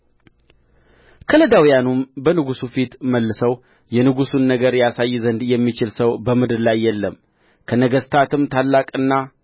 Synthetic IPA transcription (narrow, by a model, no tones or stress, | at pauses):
kʰələd̪awjanumbənɨɡusufit̪məlːɨsəw | jɛnɨɡusunːəɡəɾjasajːɪzənd̪jɛmːit͡ʃɪlsəwbəmɨd̪ɨɾlajːɛlːəm | kʰənəɡəst̪ʰat̪ɨmt̪ʰalːakʼɨnːa